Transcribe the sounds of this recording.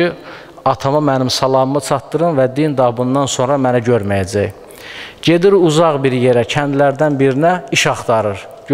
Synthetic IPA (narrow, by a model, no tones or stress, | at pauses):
i | ɑt̪ʰɑmɑmænimsɑlˠɑmmɯt͡ʃʰɑt̪ːɯɾɯnvæd̪ind̪ɑbund̪ɑnso̞nɾɑmænæɟøɾmæjæd͡ʒæj | ɟe̞d̪iɾuzɑʁbiɾje̞ɾæcʰænd̪læɾd̪ænbiɾinæiʃɑχt̪ɑɾɯɾ | ɟ